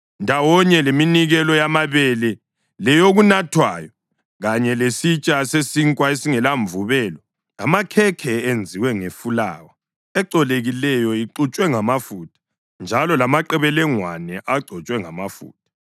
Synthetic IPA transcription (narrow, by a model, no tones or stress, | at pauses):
ndʱawɔɲɛleminiɣɛlɔjamaβɛlɛ | lɛjoɣunatʰwaːjɔ | ɣaɲɛlesit͡ʃʼasesiŋkʼwaesiŋɛlaɱvuβɛlɔ | lamakʰɛkʰɛend͡zʱiwɛŋefula̰ːwa | ɛǀɔleɣilɛjɔiǃut͡ʃʼwɛŋamafutʰʼḁ | nd͡ʒʱalɔlamaǃɛβɛlɛŋwanɛʔaǀʱɔt͡ʃʼwɛŋamafṵːt̚ʰʼḁ